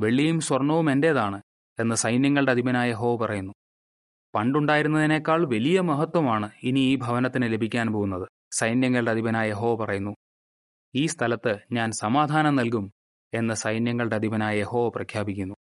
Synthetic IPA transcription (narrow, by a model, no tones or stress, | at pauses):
ʋe̞ɭːijumswɐrɳːɐʋume̞nde̞ːðaːɳɨ | e̞nːɨsɐjnjɐŋːɐɭɖeɐd̪ʱibɐnaːjje̞ɦo̞ːʋɐpɐrɐjunːu | pɐɳɖuɳɖaːjiɾunːɐðine̞ːkːaːɭʋɐlijɐmɐɦɐt̪wɐmaːɳɨiniiːbʱɐʋɐnɐt̪ːinɨle̞bʱikʲːaːnpoːɣunːɐðɨ | sɐjnjɐŋːɐɭɨɖeɐd̪ʱibɐnaːjje̞ɦo̞ːʋɐpɐrɐjunːu | iːst̪ʰɐlɐt̪ːɨɲaːnsɐmaːd̪ʱaːnɐmnɐlk̬um | e̞nːɨsɐjnjɐŋːɐɭɖeɐd̪ʱibɐnaːjɐje̞ho̞ːʋɐprɐkʰjaːbikʲːunːu